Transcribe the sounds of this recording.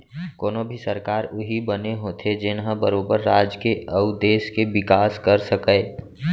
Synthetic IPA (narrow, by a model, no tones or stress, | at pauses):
koːnobʱisəɾkaːɾʊɦibəneɦoːt̪ʰed͡ʒɪnɦə̃bəɾoːbəɾːaːd͡ʒkeəʊd̪eːskeʋɪkaːskəɾsəkəː